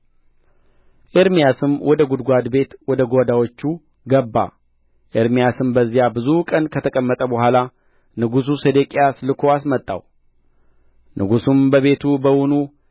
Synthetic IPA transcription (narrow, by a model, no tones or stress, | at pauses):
ʔeɾmijasɨmwʔɔd̪əɡud̪ɡʷad̪be̞t̪wɔd̪əɡod̪awot͡ʃːu | ɡəbːa̰ | ʔeɾmijasɨmbəzːijabɨzukʼənkʰət̪ʰəkʼəmːət̪ʼəbəhʷala | nɨɡus̬used̪ekʼijaslɨkʰo̞asmət̪ʼːa̰w | nʔɨɡusumbəβe̞t̪ʰubəwʊnu